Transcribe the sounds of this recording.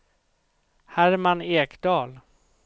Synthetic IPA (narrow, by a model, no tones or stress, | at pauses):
hæɾmaneːkd̪ɑːl